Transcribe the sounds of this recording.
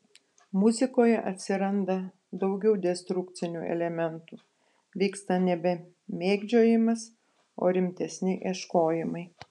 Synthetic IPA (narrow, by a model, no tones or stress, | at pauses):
mʊzʲɪkoːjɛʔɐt̪ʲsʲɪɾɐnd̪ɐ | d̪ɒʊɡʲɛʊd̪ʲɛst̪ɾʊkt̪sʲɪnʲuːɛ̰lʲɛmʲɛnt̪uː | ʋʲiːkst̪ɐnʲɛbʲɛ | mʲeːɡd͡ʒʲoːjɪmɐs | o̰ːɾʲɪmʲt̪ʲɛsʲnʲɪʔeːʃkoːjɪmɐɪ